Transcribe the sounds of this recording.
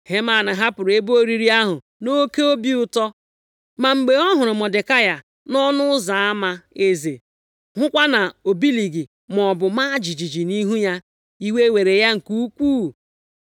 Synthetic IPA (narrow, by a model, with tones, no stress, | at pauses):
he˦ma˨na˨ɦa˦pʊ˨ɾe˦bu˦o˦ɾi˦ɾi˦a˦ɦʊ˨ | no˦ke˦o˦bi˦ʊ˦tɔ˦ | ma˨ŋ͡m̩˨ɡ͡be˨ɔ˦ɦʊ˨ɾʊ˨mɔ˨dɪ˨ka˦ja˨ | nɔ˦nʊ˦ʊ˦za˨a˦ma˦e˨ze˨ | hʊ˦kʷa˦na˨o˨bi˦li˨ɡi˨ | m˨ɔ˨bʊ˨ma˦d͡ʒi˨d͡ʒi˨d͡ʒi˨ni˦ɦu˦ja˦ | i˦we˦we˨ɾe˨ja˦ŋ̩˨ku˦u˦kʷuː˦